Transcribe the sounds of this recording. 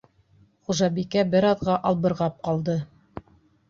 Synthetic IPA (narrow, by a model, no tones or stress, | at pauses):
χuʒɑbikæbɘɾɑðʁɑʔɑlˠbɤ̆ɾʁɑp̚qɑlˠd̪ɤ